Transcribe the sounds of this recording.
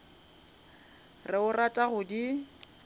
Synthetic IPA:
rɪʊratʼaɣʊdi

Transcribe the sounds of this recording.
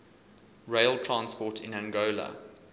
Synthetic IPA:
ɹeɪlˠtʰɹãnspɔtʰɪ̃næ̃ŋɡoːlə̰

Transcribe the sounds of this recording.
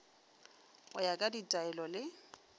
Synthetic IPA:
ʊjakʼaditʼaɛlɔlɪ

